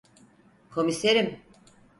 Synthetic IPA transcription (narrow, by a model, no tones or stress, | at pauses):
kʰo̞miseɾim